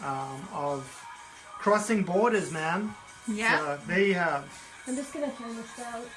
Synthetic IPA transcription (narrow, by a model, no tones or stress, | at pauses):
ʌ̃mʌv̥ | kʰɹ̥ɔsɪ̃ŋbɔɹɾɨzmæ̃n | jæoʊðeɪəv̥ | ãɪ̃md͡ʒʌsɡ̥ʌnɨfãnɨsðoʊ